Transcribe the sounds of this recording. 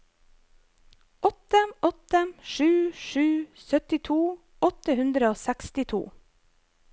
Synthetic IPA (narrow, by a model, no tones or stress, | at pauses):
ʔɔt̪əʔɔt̪əʃʉːʃʉːsœt̪ɪt̪ʰuː | ʔɔt̪əhʉnd̪ɾəoːsækst̪ɪt̪ʰṵː